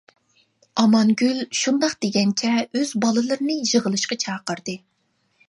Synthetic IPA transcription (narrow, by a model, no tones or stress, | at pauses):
ɑmɑnɡʲylʃund̪ɑqd̪eɡʲɛŋt͡ʃʲʰɛøzbɑlˠɨlˠɨɾɨnɨjəʁəlˠɨʃqɑt͡ʃʰɑːqəɾd̪ɨ